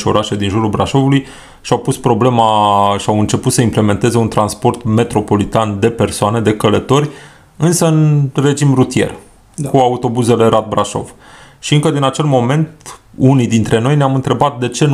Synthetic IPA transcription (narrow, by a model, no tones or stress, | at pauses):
ʃo̞̰ɾaʃed̪inʒuɾulbɾaʃo̞vuluj | ʃiawpuspɾo̞ble̞maʃiawɨnt͡ʃe̞put̪səimple̞me̞nt̪e̞ze̞unt̪ɾanspo̞rt̪me̞t̪ɾo̞po̞lit̪and̪e̞pe̞rsoane̞d̪e̞kələt̪o̞rʲ | ɨnsəɨnre̞d͡ʒimrut̪ije̞̰r | kuaut̪o̞buze̞le̞ɾad̪̚bɾaʃo̞̰v | ʃiɨŋkəd̪inat͡ʃe̞lmo̞me̞nt̪unid̪int̪ɾe̞no̞jneamɨnt̪ɾe̞bat̪̚d̪e̞t͡ʃe̞n